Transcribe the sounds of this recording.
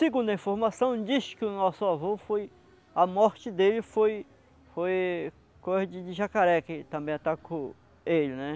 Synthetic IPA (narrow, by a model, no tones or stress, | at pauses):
sɪɡũd̪ɐĩfoɾmasɐ̃w̃d͡ʒiskɪʊnɔsʊavofoj | ɐmɔɾt͡ʃɪd̪elɪfoj | foj | kojzɐd͡ʒɪd͡ʒɪʒakaɾɛkɪt̪ɐ̃mbẽj̃at̪akõ | elɪnɛ